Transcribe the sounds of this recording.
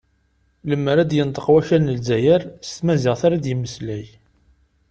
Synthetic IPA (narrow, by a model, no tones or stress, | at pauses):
ləmːəɾæd̪jənt̪ˤə̥qwæçænəlzæjæɾst̪mæzɪʁθaɾad̪jəmːəslæj